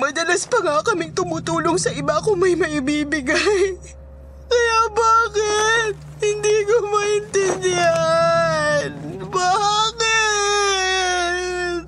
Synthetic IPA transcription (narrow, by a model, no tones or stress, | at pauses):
mɐd̪ɐlɐspɐŋakɐmɪŋt̪ʊmʊt̪uːloŋsɐʔɪbakoŋmɐjmɐʔɪbiːbɪɡaj | kɐjabaːkɪt̪̚hɪnd̪iːkomɐʔɪnt̪ɛnd̪ɪha | nbakɪ | t̪̚